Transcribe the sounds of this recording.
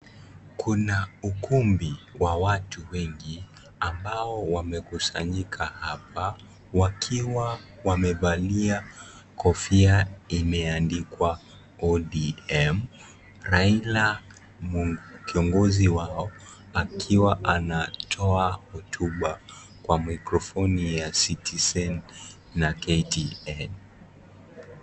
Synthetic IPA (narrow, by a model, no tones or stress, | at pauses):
kʰunaukumbiwawatuwɛŋɡi | ambaɔwamɛkusaɲikʰahap̚a | wakʰiwa | wamɛvalia | kʰɔfiaimɛandikwa | ɔɗiɛm | ɾaila | kiɔŋɡɔziwaɔ | akʰiwaʔanatʰɔahɔtʰuɓa | kwamikɾɔfɔnijasitʰizɛnː | akɛtiɛn